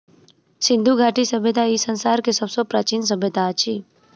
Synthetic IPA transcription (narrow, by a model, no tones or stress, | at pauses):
sɪ̃nd̪ʱuɡʱaːʈisəbʱjət̪aisə̃nsaːɾkesəbsopɾaːt͡ʃiːns̬əbʱjət̪at͡ʃʰiː